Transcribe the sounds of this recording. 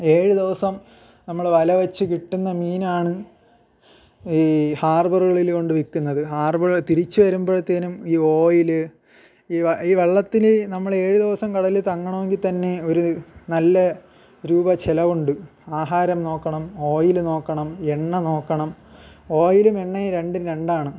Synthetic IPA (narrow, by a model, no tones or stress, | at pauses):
e̞ːɻud̪iʋɐsɐm | nɐmːɐɭʋɐlɐʋɐt͡ɕːɨkiʈːunːɐmiːnaːɳɨ | iːhaːrbɐrɣɐɭilko̞ɳɖɨʋikːunːɐðɨhaːrbɐrɣt̪iɾit͡ɕːuʋɐɾumbo̞ːɭt̪ːenumiːo̞ːjilɨ | iːɐiːʋe̞ɭːɐt̪ːinnɐmːɐɭe̞ːɻuðiʋɐsɐmkɐɽɐlilt̪ɐŋːɐɳɐme̞ŋɡilt̪ɐnːe̞oɾunɐlːɐ | ɾuːbɐt͡ɕelɐʋuɳɖɨaːɦaːɾɐmno̞ːkːɐɳɐmo̞ːjilno̞ːkːɐɳɐmeɳːɐno̞ːkːɐɳɐm | o̞ːjilumeɳːɐiɾe̞ɳɖɨɾeɳɖaːɳɨ